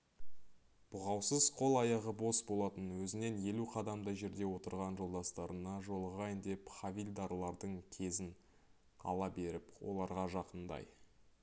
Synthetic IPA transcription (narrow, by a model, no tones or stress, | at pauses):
b̥ʊʁɑwsəzqʰo̞lˠɑjɑʁəbo̞sbolˠɑt̪ənwɵzɪne̞nje̞luqʰɑd̪ɑmd̪əʒe̞ɾd̪e̞wo̞t̪əɾʁɑnʒo̞lˠd̪ɑst̪ɑɾənɑʒo̞lˠəʁɑjənd̪e̞pχavʲilʲd̪ɑɾlˠɑɾd̪əɴkʲʰe̞zɪn | ɑ̰lˠɑbe̞ɾɪpwo̞̰lˠɑɾʁɑʒɑqənd̪ɑ̰j